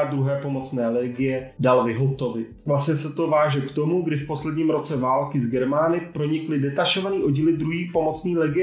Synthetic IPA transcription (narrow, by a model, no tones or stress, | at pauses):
ad̪ɾuɦɛːpo̞mo̞t͡snɛːlɛɡɪjɛdalvɪɦot̪o̞vɪt̪vlasɲɛsɛt̪o̞vaːʒɛkt̪o̞muɡdɪfpo̞slɛdɲiːmɾo̞t͡sɛvaːlkɪzɡɛɾmaːnɪpɾo̞ɲɪklɪdɛt̪aʃo̞vaniːʔo̞ɟiːlɪd̪ɾuɦiːpo̞mo̞t͡sniːlɛɡɪɛ